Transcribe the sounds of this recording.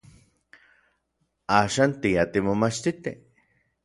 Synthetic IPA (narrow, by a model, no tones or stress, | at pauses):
aːʃant̪iat̪imomat͡ʃt̪it̪e